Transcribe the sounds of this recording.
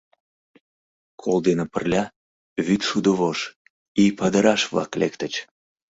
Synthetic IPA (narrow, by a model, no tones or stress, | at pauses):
kʰold̪enə̆pərlʲɑ | βyt̪ʃud̪əβoʃ | ijpɑd̪əɾɑʃβlɑ̰klekt̪ət͡ɕ